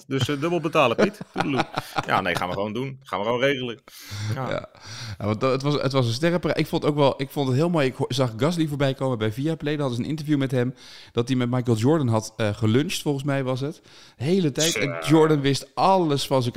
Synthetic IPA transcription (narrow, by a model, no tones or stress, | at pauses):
dəsdɵbəl̩ˠbətaːləpitudəluja̰nḛjχa̰ːnʋəχəʋowndunχaːnʋəχəʋownrejɣələkja̰ːja̰ʋɑnətʋɑsə̰tʋɑsəns̬tɛrəpraʔɪkfontowkʋɛlˠʔɪkfontətɦɪːlˠmoːjɪkzɑχɡɑs̬livoːɹbɛjkowməbɛjviaplejdəɦɑtənʔɪ̰ntəɹvjumɛtɦɛm | d̥ɑt̚dimɛt̚mɑjkəlˠd͡ʒɔɹdənɦɑtəχəlɵnstfɔlˠənsmɛjʋɑs̬ɦət | ɦejlətɛjtɛnd͡ʒɔɹdənʋɪstʔɑləsfɑns̬ək